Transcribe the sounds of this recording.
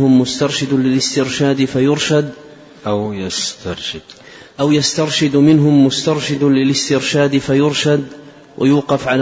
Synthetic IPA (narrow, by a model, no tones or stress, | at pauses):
hʊmːʊst̪ɑɾˤʃɪd̪lɪlɪst̪ɪɾʃaːd̪fajʊɾʃad̪ | ʔajast̪ɑɾˤʃɪd̪̥ | ʔawjast̪ɑɾˤʃɪd̪mɪnɦʊmːʊst̪ɑɾˤʃɪd̪lɪlɪst̪ɪɾʃaːd̪fajʊɾʃad̪ | wʔɪjuːqɑfʕal